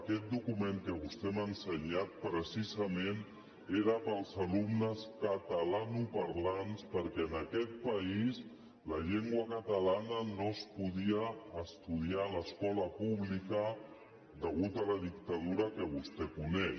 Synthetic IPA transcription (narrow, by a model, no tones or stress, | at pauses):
əkɛt̪̚d̪ukumeŋkəβust̪ɛmənsəɲat̪̚pɾəsizəmen | eɾəpəlˠzəlumnəskət̪əlanupəɾlanspəɾkɛənəkɛt̪̚pəis | ləʎeŋɡwəkət̪əlanənospuðiəːst̪uðialəskɔləpuβlikə | d̪əɣut̪ələðik̚t̪əðuɾəkəβust̪ɛkunɛʃ